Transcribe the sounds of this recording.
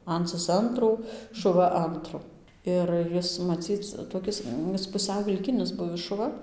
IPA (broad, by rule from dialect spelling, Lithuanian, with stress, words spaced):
ˈɐnt͡sɨs ˈɐntruː ʃʊˈʋɐ ˈɐntrʊ ɪr ˈjɪs mɐˈt͡sʲiːt͡s toːˈkʲɪs ˈɪs pʊˈsʲɛʊ ʋʲɪlʲˈkʲɪnʲɪs ˈbʊʋʲɪs ʃʊˈʋɐ